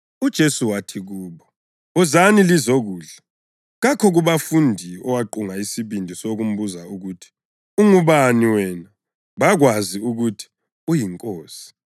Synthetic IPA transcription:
ud̥ʒ̥ʱesuwatʰiɣuːβɔ | uzanilizoɣuːɮa | ɣakʰɔɣuβafundʱiɔ̰waǃuŋaisiβindʱisoɣum̩buzauɣutʰi̥ | uŋuβaniwɛna | βaɣwaziuɣutʰi̥ | ujiŋkʼoːsi̥

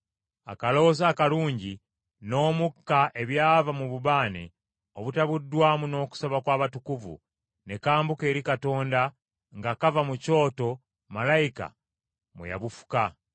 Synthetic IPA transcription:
a̰kalo̞ozaːkaluːɲɟi | no̞ːmukːaʔe̞βjaːvamuβuβaːnḛ | oβutaβudːwaːmuno̞ːku̥soβakwaːβatukuvṵ | ne̞kaːmbukeːɾikato̞ːnda | ŋɡakavamuco̞ːto̞ | malaika̰ | mwḛja̰βufu̥ka

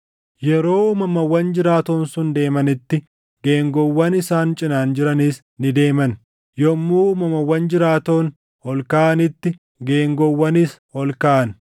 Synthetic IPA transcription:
jɛɾo̞ːmɐmɐwːɐnd͡ʒɪɾaːt̪oːnsʊnd̪e̞ːmɐnɪt̪ːɪ | ɡe̞ːŋɡɔwːɐnɪsaːnt͡ʃʼɪnaːnd͡ʒɪɾɐniːs | nɪd̪e̞ːmɐn | jɔmːuːmɐmɐwːɐnd͡ʒɪɾaːt̪o̞ːn | hɔlkaːɐnɪt̪ːɪ | ɡe̞ːŋɡɔwːɐnishɔlkaʔɐn

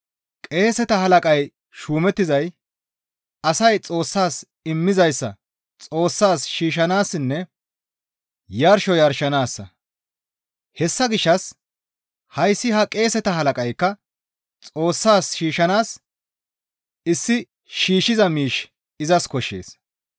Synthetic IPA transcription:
kʼe̞ːsɛt̪ɐɦɐlɐkʼɐj | ʃuːmɛt̪ːɪzɐj | ɐsɐjt͡sʼo̞ːsːaːs | ɪmːɪzɐjsːɐ̰ | t͡sʼo̞ːsːaːsʃiːʃɐnaːsɪnːɛ | jɐɾʃɔjɐɾʃɐnaːsːɐ̰ | hɛsːɐɡɪʃːɐs | hɐjsːɪɦɐkʼe̞ːsɛt̪ɐɦɐlɐkʼɐjkːɐ | t͡sʼo̞ːsːaːsʃiːʃɐnaːs | ɪsːɪ | ʃiːʃɪzɐmiːʃ | ɪzɐskɔʃːe̞̰ːs

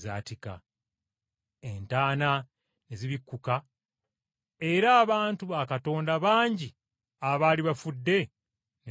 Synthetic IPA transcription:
zaːtika̰ | entaːna | neziβikːuka | e̞ɾaːβaːntuβakato̞ːndaβaːɲɟi | aβaːliβafudːe̞ | n

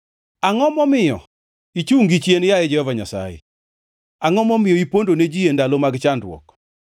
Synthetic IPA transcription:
aŋɔmɔmɪjɔ̰ | it͡ʃuŋɡit͡ʃjenjajɛd͡ʒɛhɔvaɲasa̰jɛ̰ | aŋɔmɔmɪjɔipondoned͡ʒijendalomaɡt͡ʃandɾwɔ̰k

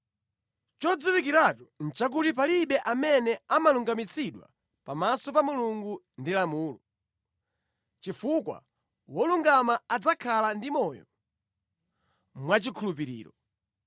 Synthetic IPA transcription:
t͡ʃɔd͡zuwikiɾatun̩t͡ʃak̬utip̬aliɓɛʔamɛnɛamaluŋɡamit͡sʰiɗwa̰ | pamasɔpamuluŋɡu | ndilamuːlɔ | t͡ʃifukwa̰ | wɔluŋɡamaad͡zakʰalandimɔjɔ̰ | mwat͡ʃikʰulupiɾḭːɾɔ

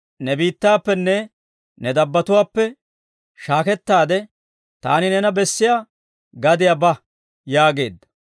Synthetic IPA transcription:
nɛbiːt̪ːaːpːɛnːɛ | nɛd̪ɐbːɐt̪ʊwaːpːɛ | ʃaːkɛt̪ːaːd̪ɛ | t̪a̰ːnɪnɛnɐbɛsːɪja | ɡɐd̪ɪjabɐ | jaːɡe̞ːd̪ːɐ̥

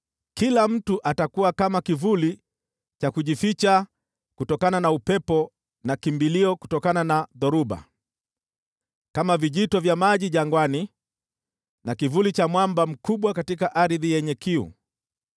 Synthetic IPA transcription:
kilam̩tuʔatakuwakamakivuli | t͡ʃakuʄifit͡ʃa | kutɔkananaupɛpɔ | nakimbiliɔku̥tɔkananaðɔɾuba̰ | kamaviʄitɔvjamaʄiʄaŋɡwani | nakivulit͡ʃamwambam̩kuɓwakatikaʔaɾiðijɛɲɛkiṵ

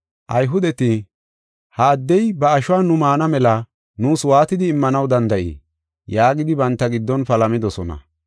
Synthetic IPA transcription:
ʔɐjɦʊd̪ɛt̪ɪ | haːd̪ːɛjbɐːʃʊwaːnʊmaːnɐmɛlɐ | nuːswaːt̪ɪd̪ɪːmːɐnɐwd̪ɐnd̪ɐʔḭː | jaːɡɪd̪ɪbɐnt̪ːɐɡɪd̪ːɔnpɐlɐmɪd̪ɔsɔnɐ̰

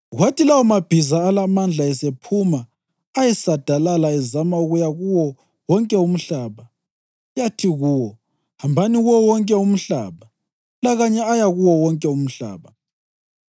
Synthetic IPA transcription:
watilawɔmab̥ʱizaːlamand͡ɮʱaɛsepʰumaː | jɛsad̥ʱalalaɛzamauɣujaɣuwɔ | wɔŋkʼɛum̩ɬaːβa | jatʰiɣuwɔ | hambʱaniɣuwɔwɔŋkʼɛum̩ɬa̰ːβa | laɣaɲɛajaɣuwɔwɔŋkʼɛum̩ɬa̰ːβa

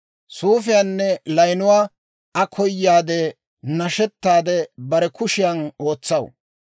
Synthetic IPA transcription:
suːfɪjaːnːɛlɐjnʊwaː | ɐkʰɔjːaːd̪ɛ | nɐʃɛt̪ːaːd̪ɛbɐɾɛkʊʃɪjɐno̞ːt͡sːɐw

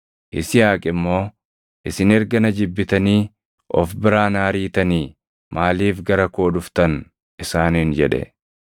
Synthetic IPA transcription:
ʔɪsɪjaːkʼɪmːo̞ː | ʔɪsɪnɛɾɡɐnɐd͡ʒɪbːɪt̪ɐniː | ʔɔfbɪɾaːnaːɾiːt̪ɐniː | maːliːfɡɐɾɐko̞ːᶑʊft̪ɐn | ɪsaːniːnd͡ʒɛᶑɛ̰

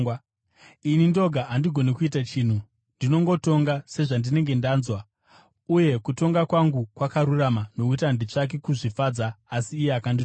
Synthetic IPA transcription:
inindo̞ɡʱaʔandiɡʱo̞nekuitat͡ʃiːn̤u | ndino̞ŋɡo̞to̞ŋɡase̞ʐandine̞ŋɡe̞ndaːnzwa | uje̞kuto̞ŋɡakwaŋɡukwakaɾuramano̞kuitandit͡ʂak̬e̞kuʐifad͡zaːsiːjeakandi

